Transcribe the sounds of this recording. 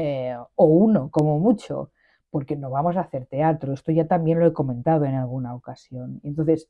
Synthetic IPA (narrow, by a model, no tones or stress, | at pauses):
eouno̞ko̞momut͡ʃo̞̰ | po̞ɾke̞no̞β̞amo̞s̬aːθe̞ɾt̪e̞at̪ɾoe̞st̪o̞ʝat̪ambje̞nlo̞eko̞mẽ̞nt̪að̞oe̞nalɣ̞unaokasjo̞nent̪onθe̞s